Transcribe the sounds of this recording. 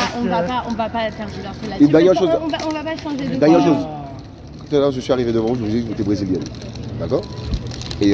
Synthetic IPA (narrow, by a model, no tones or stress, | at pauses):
ɔ̃vapaɔ̃vapafɛ̃ʁd̪əlɔʁsəad̪ɛʁjɛʁʃoz̃vaɔ̃vapaʃɑ̃ʒed̪ɛjɛʁʃoz | kt̪laʒəsɥiaʁived̪əvɑ̃vuʒəvud̪iiket̪ɛbʁeziljɛnd̪akɔːʁ | e